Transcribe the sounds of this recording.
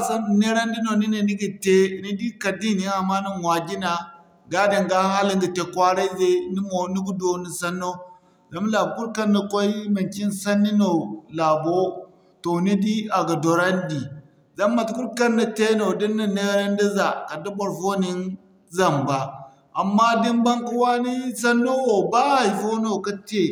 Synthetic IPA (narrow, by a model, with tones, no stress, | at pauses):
sa˦n˨ne˦ɾa˦ndi˦no˨ni˦ni˨ni˦ɡi˨te˦˨ni˦di˦ka˨di˦ni˨a˨ma˦ni˦mwa˨ɡi˦na˨ | ɡa˦di˨ŋɡa˦ha˦li˦ŋɡi˨te˨kʷa˦ɾa˦ze˦ni˦mo˨˦ni˦ɡu˦do˨ni˨sa˦nːo˦ | za˨˦m˦la˨bku˦ɾka˦nːa˨ko˦i˦ma˨ki˦nsa˦nːi˦no˨la˨bo˦ | to˨ni˦di˦a˨ɡa˨do˨ɾa˦ndi˨ | za˦mːa˨tku˦ɾka˦nːa˨te˦no˨di˦nːi˨ne˦ɾa˦ndi˦za˨ka˨da˦bo˨ɾfo˦ni˦n | za˨mba˨ | a˨mːa˦di˦nba˦ŋku˦wa˦ni˦sa˦nːo˦wo˨ba˦ha˨jfo˦no˨ka˦te˨